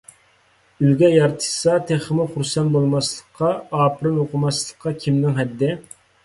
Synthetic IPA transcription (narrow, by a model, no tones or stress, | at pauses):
ylɡʲɛjɑɾt̪ʰɨ̥sɑt̪ʰeχəmʊχuɾsɛnbolˠmɑslˠəqʰːɑɑːpʰɨɾɨnoqʰʊmɑslˠə̥qʰːɑkʲʰimnɪŋɦɛd̪ːɪ